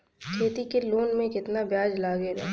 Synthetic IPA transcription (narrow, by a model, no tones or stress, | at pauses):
kʰeːt̪ikeloːnmẽkɪt̪nabjaːd͡ʒlaːɡeɾɛ̰